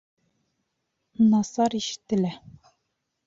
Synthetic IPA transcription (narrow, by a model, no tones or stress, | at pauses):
nɑsɑɾiʃɘ̥̆t̪ːɘ̆læ